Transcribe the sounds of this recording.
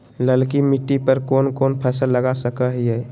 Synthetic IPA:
ləlkimɪʈːipəɾkoːnkoːnpʰɛːsəlːəɡasəkəɦiɦɛː

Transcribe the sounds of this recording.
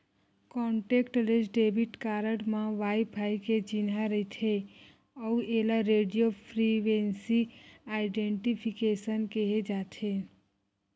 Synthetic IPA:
kɔɳʈekʈlesɖebʱiʈkaɾəʈmãʋajpʰaiket͡ʃinaɾəɦt̪ʰe | ɔuelaɾeɖijopʰɾiʋensiaɪɖeɳʈipʰikesənkeɦed͡ʒat̪ʰe

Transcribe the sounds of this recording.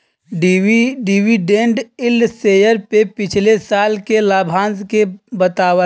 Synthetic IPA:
ɖɖɪʋiɖẽɳɖɪlseːjəɾpepɪt͡ʃʰlesaːlkelaːbʱãːnzkebət̪aːwə

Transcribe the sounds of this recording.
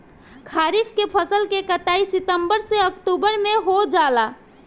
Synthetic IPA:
kʰaːɾipʰkepʰəsəlkekət̪aːisɪt̪əmbəɾseəkʈubəɾmẽɦod͡ʒaːla

